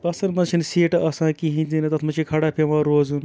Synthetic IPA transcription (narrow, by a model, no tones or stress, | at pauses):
pɐsɐnmɐt͡ʃʰinseːʈɐsãːkiɦĩnd̪inɐt̪ɐt̪ʰmɐt͡ʃʰikʰɐɽapʰemaɾoːzun